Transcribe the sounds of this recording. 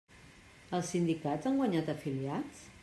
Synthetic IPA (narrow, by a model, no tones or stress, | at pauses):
əlˠsːind̪ikazaŋɡwaɲat̪əfiliat͡s